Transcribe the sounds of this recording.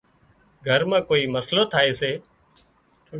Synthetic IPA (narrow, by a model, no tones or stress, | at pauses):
ɡʱəɾmãːkoːiːməsloːt̪ʰaːeːseː